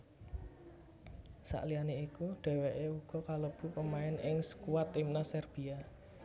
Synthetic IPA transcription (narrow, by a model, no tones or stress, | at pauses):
sa̰ʔlianeikuɖ̥ɛ̤weʔeuɡ̥ɔ̤kaləb̥ṳpəmaɪnɪŋsə̥kuwat̪ɪmnasɛrb̥ia